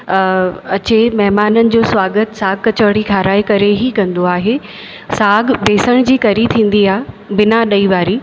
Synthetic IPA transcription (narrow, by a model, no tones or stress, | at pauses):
ɐt͡ɕemɐɦmaːnənɪ̆d͡ʑoːsʋaːɡət̪saːɡ̚kɐt͡ɕəʋɽ̃ikʰaːɾaːikɐɾeɦikɐ̃nd̪oaːɦe | saːɡbeːsəɽ̃d͡ʑiːkɐɾit̪ʰĩːn̆d̪iaːɦ | bɪnaɗɐiʋaːɾiː